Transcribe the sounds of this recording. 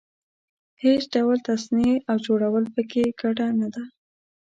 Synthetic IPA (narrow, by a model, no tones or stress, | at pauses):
het͡ʃɖawlt̪asniawd͡ʒoɽawəlpəkeɡaʈanad̪a